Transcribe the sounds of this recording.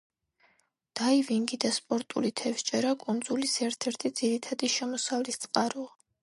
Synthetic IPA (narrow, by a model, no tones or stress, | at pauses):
d̪̥aiviŋɡid̪aspʼɔɾt̪ʼṵlit̪ʰɛfst͡ʃʼɛɾakʼund̪zulisɛɾt̪ʰɛɾt̪ʰid̪z̥iɾit̪ʰad̪iʃɛmɔsavlist̪sʼqʼaɾua